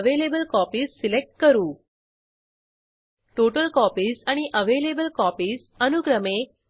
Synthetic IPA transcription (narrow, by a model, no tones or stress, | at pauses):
ʋelebəlkɔpiːsːilek̚ʈ̚kəɾuː | ʈoʈəlkɔpiːsaɽ̃iʔəʋelebəlkɔpiːs | ənuɡɾəme